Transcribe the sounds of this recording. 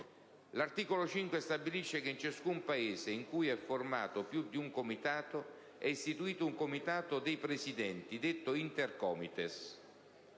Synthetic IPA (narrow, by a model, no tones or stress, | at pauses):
lart̪iːkolot͡ʃiŋkwest̪abiliʃːekent͡ʃaskumpaeːseiŋkujɛfːorma̰ːt̪opjud̪ːiuŋkomit̪aːt̪o | ɛist̪it̪uiːt̪ouŋkomit̪aːt̪ʊd̪ejpɾesid̪ɛnt̪id̪et̪ːoint̪erkɔːmit̪es